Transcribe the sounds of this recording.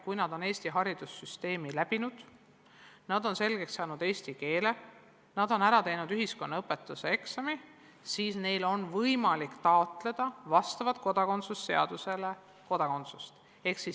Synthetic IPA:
kujnɑd̪̥o̞ne̞ːst̪iɦɑɾid̪̥usːyst̪e̞ːmilæb̥inud̪̥ | nɑd̪o̞nse̞lɡ̥e̞ksːɑːnud̪̥e̞ːst̪ike̞ːle̞ | nɑd̪̥o̞næɾɑt̪e̞jnud̪yɦisko̞nːɑɤpːˑe̞t̪ːˑusee̞ksɑmi | siːsne̞jlo̞nvɤjmɑlikt̪ɑot̪ˑle̞d̪̥ɑvɑst̪ɑvɑt̪̚ko̞d̪̥ɑko̞nt̪susːe̞ɑd̪̥use̞le̞ | ko̞d̪̥ɑko̞nt̪sust̪ | e̞ksi

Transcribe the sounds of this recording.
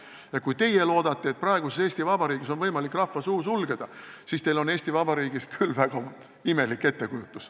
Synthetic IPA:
jɑkujt̪e̞je̞lo̞ːd̪̥ɑt̪ˑːie̞t̪̚prɑe̞ɡ̥use̞seːsʲt̪ivɑbɑɾiːɡ̥iso̞nvɤjmɑlikːˑrɑhfːɑsuːsulɡe̞d̪̥ɑsiːst̪e̞jlo̞ne̞ːsʲt̪ivɑb̥ɑɾiːɡ̥ist̪̚kʰylːvæɡ̥ɑ | ime̞likːe̞t̪ːe̞kujut̪ːˑus

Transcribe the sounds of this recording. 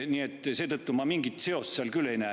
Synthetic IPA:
niːet̪ːˑse̞ːt̪ɤt̪ːumɑmiŋɡit̪ˑse̞o̞st̪seɑlkylːejnæ

